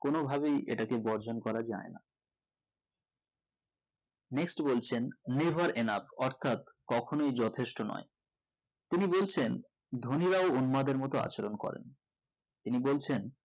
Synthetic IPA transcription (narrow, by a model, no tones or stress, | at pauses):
konobʱaβejʔḛʈakebɔɾd͡ʑʱonkɔɾad͡ʑa̰ena̰ | neksʈbolt͡ɕʰenːevʱaɾʔenafɔɾt̪ʰat̪kɔkʰonojd͡ʑɔt̪ʰeʃʈonɔ̰e | t̪inibolt͡ɕʰen | d̪ʱoniɾaounmad̪eɾmɔt̪oa̰t͡ɕoɾonkɔ̰ɾḛn | t̪inibolt͡ɕʰen